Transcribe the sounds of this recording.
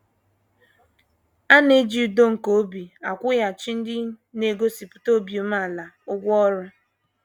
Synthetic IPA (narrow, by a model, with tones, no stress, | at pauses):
a˦ne˦d͡ʒi˨u˨do˦ŋ̩˨ko˦bi˨a˨kʷʊ˦ja˨t͡ʃɪ˦n̩˦dɪ˦ne˨ɡo˦si˨pʊ̥˨to˦bi˨o˦m˦a˦˨la˨ | ʊ˦ɡʷɔ˦ɾʊ˦